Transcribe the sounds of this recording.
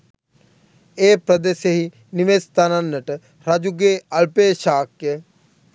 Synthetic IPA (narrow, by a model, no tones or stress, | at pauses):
eːpɾəd̪eːʃeɦi | niʋeːst̪ananːəʈ | ɾɐd͡ʒuɡeːɐɭpeːʃaːkːe